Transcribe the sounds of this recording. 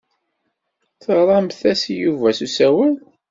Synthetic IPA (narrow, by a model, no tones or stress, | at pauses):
θəʁɾˤɑmθæsjuvæsusæwæl